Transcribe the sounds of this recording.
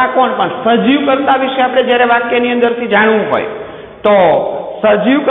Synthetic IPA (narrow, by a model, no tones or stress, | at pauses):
akonpəɳsəd͡ʒiʋkəɾt̪aʋiʃeapɽ̃ed͡ʒjaɾeʋakjeniə̃nd̪əɾt̪ʰid͡ʒaɽ̃ʋũɦo̰j | t̪osəd͡ʒiʋk